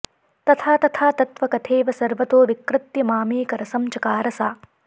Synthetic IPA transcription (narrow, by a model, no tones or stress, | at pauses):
t̪ɐt̪ʰaːt̪ɐt̪ʰaːt̪ɐt̪ʋɐkɐt̪ʰeːʋɐsɐɾʋɐt̪oːʋikɾɪt̪jɐmaːmiːkɐɾɐsɐmt͡ʃɐkaːɾɐsaː